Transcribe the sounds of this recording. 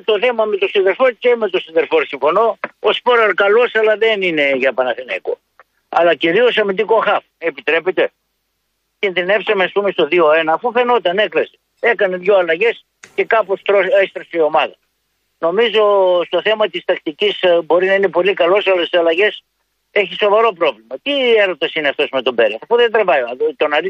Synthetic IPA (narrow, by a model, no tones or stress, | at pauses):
t̪o̞θe̞mɐme̞t̪o̞siðe̞ɾfoɾceme̞t̪o̞sinðeɾfoɾsiɱfo̞no̞ospo̞ɾɐɾkɐlo̞sɐlɐðenine̞ʝɐpɐnɐθinɐ̰iko̞̰ | ɐ̰lɐciɾio̞sɐmind̪iko̞xɐfe̞pit̪ɾe̞pet̪e̞ | cinðine̞fsɐmeɐspume̞st̪o̞ðio̞enɐːfufe̞no̞t̪ɐne̞klɐse̥ | e̞kɐne̞ðʝo̞ɐlɐʝe̞s | ce̞kɐpost̪ɾost̪ɾosio̞mɐðɐ | no̞mizo̞st̪o̞θe̞mɐt̪ist̪ɐkt̪icisbo̞ɾinɐine̞po̞likɐlo̞sɐlɐst̪isɐlɐʝe̞s | e̞çiso̞vɐɾo̞pɾo̞vlimɐt̪ieɾot̪ɐsineɐft̪o̞sme̞t̪o̞be̞ɾisɐfuðed̪ɾevɐt̪o̞nɐi